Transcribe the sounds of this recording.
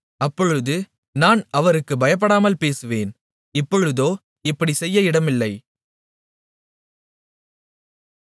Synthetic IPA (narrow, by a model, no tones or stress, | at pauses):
ɐpːɔɻɯðɯ | naːnɐʋɐɾɯkːɯbɐjɐp̬ːɐɽaːmɐlpeːsɯʋeːn | ɪpːɔɻɯðoː | ɪpːɐɽisɛjːɐɪɽɐmɪlːɐɪ